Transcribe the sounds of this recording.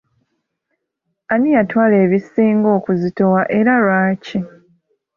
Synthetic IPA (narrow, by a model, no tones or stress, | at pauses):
anijatwaːle̞ːβisiːŋɡo̞ːkuzito̞waʔe̞ɾalwaːci